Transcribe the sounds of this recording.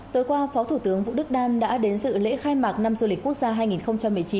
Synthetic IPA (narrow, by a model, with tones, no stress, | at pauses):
t̪o˨˧jkwaː˧fɔ˨˦t̪ʰu˧˩t̪ɨ˨˦əŋvṵ˧˨ɗɨ˦˥k̚ɗaː˧mɗa̰ː˧˥ɗe˨˦nzɨ̰˧˨lḛ˧˥xaː˧jmaː˨˩k̚na˧mzu˧li̟˨˩ku˦˥ək̚z̥aː˧ɦaː˧jŋi˨˩nxə˧wŋ͡mt͡ɕa˧mːɨ˨˩ət͡ɕi˨˦n